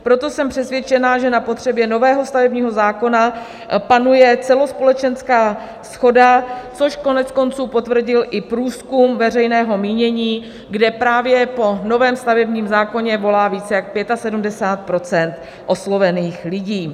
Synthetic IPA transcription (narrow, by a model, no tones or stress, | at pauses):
pɾo̞t̪o̞sɛmpr̥ɛsvjɛt͡ʃɛnaʒɛnapot̪r̝̥ɛbjɛno̞vɛːɦo̞st̪avɛbɲiːɦo̞zaːko̞na | panujɛt͡sɛlo̞spo̞lɛt͡ʃɛnskaː | sxo̞dat͡so̞ʃko̞nɛt͡sko̞nt͡suːpo̞t̪vr̩ɟɪlʔɪpɾuːskumvɛrɛjnɛːɦo̞miːɲɛɲiː | ɡdɛpɾaːvjɛpo̞no̞vɛːmst̪avɛbɲiːmzaːko̞ɲɛvo̞laːviːt͡sɛjak̚pjɛt̪asɛdumdɛsaːt̪̚pɾo̞t͡sɛnt̪ | ʔo̞slo̞vɛniːxlɪɟiː